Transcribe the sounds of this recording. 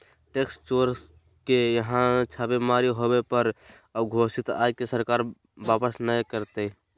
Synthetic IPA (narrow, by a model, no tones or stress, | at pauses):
ʈekst͡ʃoːɾs | kejəɦãt͡ʃʰaːbemaɾiɦowepəɾ | əbɡʱosɪt̪a̰ːekesəɾkaːɾ | baːpəsnəjkəɾt̪e